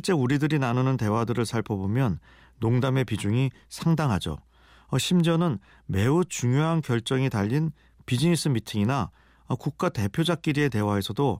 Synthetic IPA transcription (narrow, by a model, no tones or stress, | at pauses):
ɕʰiɭt͡ɕ͈e̞uɾidɯɾinanɯnɯnte̞wadɯɾɯɭsʰaɭpʰʌbomjʌnː | oŋdame̞pid͡ʑuŋi | sʰaŋdaŋɦad͡ʑo̰ | ʌɕʰimd͡ʑʌnɯn | me̞ut͡ɕuŋjoɦankjʌɭt͡ɕ͈ʌŋitaʎːin | pid͡ʑinis͈ʰɯmitʰiŋina | ʌkuk̚k͈ate̞pʰjod͡ʑak͈̚iɾie̞te̞wae̞sʰʌdo